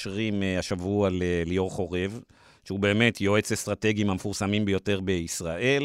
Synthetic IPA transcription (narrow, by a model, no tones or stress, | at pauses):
ʃʁimaʃavualelijo̞ʁχo̞ʁe̞v | ʃeube̞ːme̞tʰjo̞e̞t͡sestʁate̞ɡiimhamefuʁsamimbejo̞te̞ʁbe̞isʁaʔe̞l